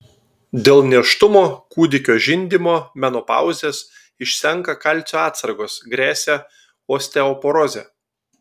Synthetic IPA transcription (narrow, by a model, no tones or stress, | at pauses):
d̪ʲeːlˠnʲiɛʃt̪ʊmoːkuːd̪ʲɪkʲoːʒʲɪnʲd̪ʲimoːmʲɛnɔːpɑ̰ˑʊzʲeːs | ɪʃʲsʲɛŋˑkɐkɐlʲˑt̪sʲoːɑːt̪sɐɾɡoːsɡɾʲæːsʲæ | oːsʲt̪ʲɛɔːpɔɾɔzʲɛ̰ː